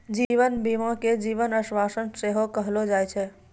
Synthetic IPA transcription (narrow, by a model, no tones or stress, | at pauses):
d͡ʒiʋənbimãked͡ʒiʋənəsʋasənseɦokəɦlod͡ʒajt͡ʃʰɛ